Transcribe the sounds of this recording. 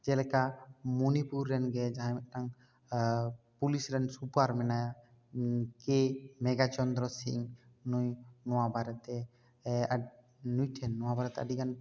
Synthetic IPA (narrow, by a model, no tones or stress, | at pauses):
d͡ʒɛlɛkamɔnipuɾːɛnɡɛd͡ʒaɦãɛnaŋ | pulisɾɛnsupaɾmɛnaja | kemɛɡat͡ʃɔnd̪ɾɔsḭŋnujnɔwabaɾt̪ɛ | a | nujʈʰɛnːɔwabaɾɛt̪ɛaɖikan